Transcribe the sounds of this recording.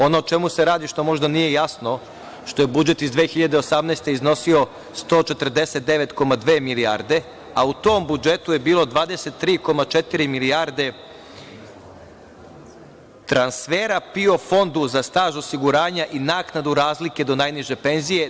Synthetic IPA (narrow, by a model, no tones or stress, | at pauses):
o̞not͡ʃe̞museɾaːd̪iʃt̪o̞mo̞ʒd̪anije̞jasno̞ | ʃt̪o̞jebud͡ʒe̞t̪izd̪ʋeːxiʎad̪e̞osamneːst̪e̞izno̞sio̞ | st̪o̞ːt͡ʃe̞t̪r̩d̪e̞se̞t̪̚d̪e̞ʋe̞t̪ko̞mad̪ʋeːmiliaɾd̪e̞ | aut̪o̞ːmbud͡ʒe̞t̪uje̞biːlˠo̞d̪ʋaːd̪e̞se̞t̪ːɾiːko̞mat͡ʃet̪iɾimiliaɾd̪e̞ | t̪ɾansfe̞ːɾapio̞fo̞nd̪uzast̪aːʒo̞siɡuɾaːɲaʔinaːknad̪uɾaːzlike̞d̪o̞najniʒe̞pe̞nzije̞